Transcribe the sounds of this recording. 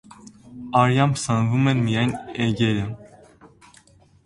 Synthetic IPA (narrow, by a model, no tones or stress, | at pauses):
ɑɾjɑmpʰsənvumɛnmijɑjnɛɡɛɾə